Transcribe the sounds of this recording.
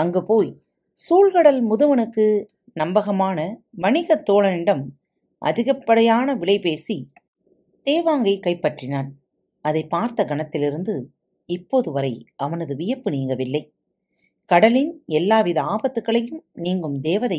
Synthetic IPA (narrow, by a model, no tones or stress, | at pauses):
ɐŋɡeːpoːj | suːlkɐɽɐlmʊðɯʋɐnɯkːɯ | nɐmbɐɣɐmaːnɐʋɐɳɪɣɐt̪ːoːɭɐnɪɽɐm | ʔɐ̰ðɪɣɐpːɐɽɐjaːnɐʋɪɭɐɪpeːsi | d̪̥eːʋaːŋɡɐɪkːɐɪpːɐʈrɪnaːn | ɐðɐɪpːaːɾt̪ɐɡɐɳɐt̪ːɪlɪɾɯnd̪ɯ | ɪpːoːðɯʋɐɾɐɪʔɐʋɐnɐðɯʋɪjɐpːɯniːŋɡɐʋɪlːɐɪ | kɐɽɐlɪnɛlːaːʋiðɐaːbɐt̪ːɯkːɐɭɐjɯmniːŋɡɯmd̪eːʋɐðɐ